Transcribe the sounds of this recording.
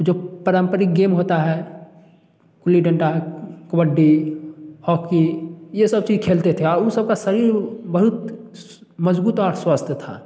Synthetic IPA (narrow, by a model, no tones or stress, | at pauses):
d͡ʒoːpəɾəmpəɾik̚ɡeːmɦoːt̪aɦɛ | kʊliɖə̃ɳʈakəbəɖːi | hɔːkijesɐb̚t͡ʃiːzkʰeːlt̪et̪ʰeɔːɾʊ̃nsəb̚kasɐɾiːɾbəɦʊt̪ | məzbuːt̪ɔːɾswast̪ʰt̪ʰa̰